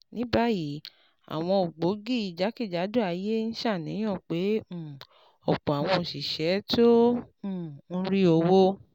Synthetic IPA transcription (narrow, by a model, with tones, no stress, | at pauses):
nĩ˨˦ba˦ji˨˦ | a̰˨w̃ɔ̃˧o˨ɡ͡bo˨˦ɡi˦˨i˨d͡ʒa˨˦ki˦˨d͡ʒa˨˦do˦a˧je˦n̩˦ʃa˦˨nĩ˨˦j̃ɔ̃˦˨k͡pẽ˨˦˨ | ɔ˨k͡pɔ˨a˨w̃ɔ̃˧n̩˨ʃi˨ʃɛ˨˦tõ˦˨ | n̩˦ɾi˦o˧wo˦